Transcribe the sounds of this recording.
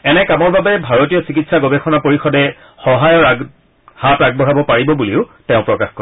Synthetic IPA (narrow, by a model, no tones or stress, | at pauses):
ɛnɛkamɔɹbabɛbʱaɹotijɔsikitsaɡobɛxʰɔnapoɹixɔdɛ | xɔɦajɔɹa | hataɡ̚bɔɹabɔpaɹibɔbuliʊtɛʊ̃pɹɔkaxkɔ